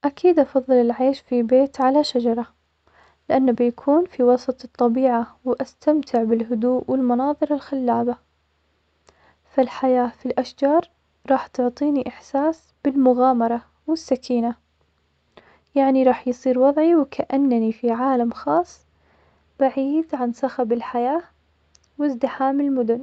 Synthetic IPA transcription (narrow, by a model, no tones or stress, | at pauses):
ʔakʰiːd̪ʔɑfɑðˤːɨlɪlʕeːʃfibeːt̪ʕalaʃad͡ʒɑɾˤɑ | lɪʔanːabɪjakʰuːnfiwɑsˤɑt̪ˤɨt̪ˤːɑbiːʕawʔast̪amt̪ʰɪʕbɪlɦʊd̪uːʔwɪlmɑnɑːðˤɨɾɪlxalːaːba | falħajaːfilʔaʃd͡ʒɑːɾˤ | ɾˤɑːħt̪ʊʕt̪ˤiːniʔɪħsaːs | b̥ɪlmʊɣaːmɑɾˤɑ | wɪsːakʰiːna | jaʕniɾˤɑːħjsˤiːɾwɑðˤʕiwɪkʰaʔanːnifiʕaːlamxɑːsˤː | b̥aʕiːd̪ʕansaxabɪlħajaː | wɪzd̪ɪħaːmɪlmʊd̪ʊn